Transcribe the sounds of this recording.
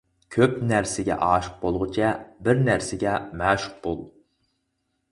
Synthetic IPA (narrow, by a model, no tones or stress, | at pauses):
kʲʰøpnæɾsɪɡʲɛ̰ʔɑːʃɨ̥q̚bolˠʁʊt͡ʃʰɛbɪɾnæɾsɪɡʲɛmæːʃʊ̥q̚bolˠ